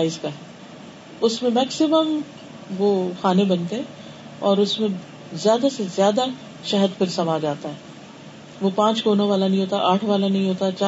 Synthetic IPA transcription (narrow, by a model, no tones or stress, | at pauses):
aːizkaɦɛː | ʊsmẽmɛːksɪməm | ʋoːxaːnẽbɐnt̪eɦɛ̃ | ɔːɾʊsmẽ | zjaːd̪asezjaːd̪a | ʃɛɦəd̪pʰɪɾsɐmaːd͡ʒaːt̪aɦɛː | ʋopãːt͡ʃkoːnõʋaːlanɐɦĩɦoːt̪aʔaːʈʰʋaːlanɐɦĩɦoːt̪at͡ʃaː